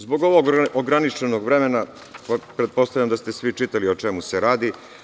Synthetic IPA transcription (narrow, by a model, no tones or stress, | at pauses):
zbo̞ɡo̞ʋoɡoɡɾanit͡ʃe̞noɡʋɾe̞mena | ppɾet̪̚po̞st̪avʎamd̪ast̪e̞sʋit͡ʃit̪alio̞t͡ʃe̞museɾaːd̪i